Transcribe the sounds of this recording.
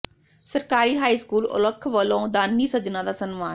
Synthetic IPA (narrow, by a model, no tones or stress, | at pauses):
sɐɾkaːɾiɦaːiskuːlʊ̰ləkʰːʋɐlõd̪aːnːisɐd͡ʒnãd̪aːsɐnmaːn